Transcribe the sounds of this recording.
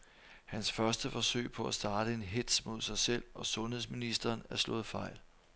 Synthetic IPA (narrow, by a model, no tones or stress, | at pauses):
hænsfɶɐsd̥əfɒ̽søɪpʰɒ̽æsd̥ɑ̈ːd̥əe̝nɦe̝d̥smo̝ð̰ˠsɑ̈ɪsel̰ɒ̽sɔ̽nheðˠsminisd̥ɐːnæɐslɔ̰̽ːð̩ˠfɑ̈ɪ̰l